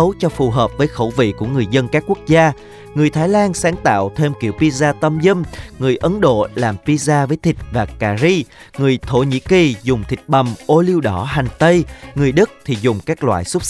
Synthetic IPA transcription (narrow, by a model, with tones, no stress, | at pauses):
ə˨˦wt͡ɕɔ˧fu˨˩ɦəː˨˩p̚vəː˨˦jxə˧˩wvḭ˧˨ku˧˩əŋɨ˨˩əjzə˧nkaː˦˥kːu˦˥ək̚zaː˧ | ŋɨ˨˩əjt̪ʰaː˨˦jlaː˧nsaː˨˦ŋt̪a̰ː˧˨wt̪ʰe˧mkḭ˧˩əwvi˧zaː˧t̪ə˧mzə˧mŋɨ˨˩əjʔə˨˦nɗo̰˧˨laː˨˩mvi˧zaː˧vəː˨˦jt̪ʰï˨˩k̟̚vaː˨˩kaː˨˩zi˧ŋɨ˨˩əjt̪ʰo̰˧˩ɲḭ˧˥ki˨˩zʊ˨˩ŋ͡mt̪ʰï˨˩k̟̚ɓə˨˩mʔo˧li˧əwɗɔ˧˩ɦa˨˩ŋ̟t̪ə˧jŋɨ˨˩əjɗɨ˦˥k̚t̪ʰi˨˩zʊ˨˩ŋ͡mkaː˦˥k̚lwa̰ː˧˨jsʊ˦˥p̚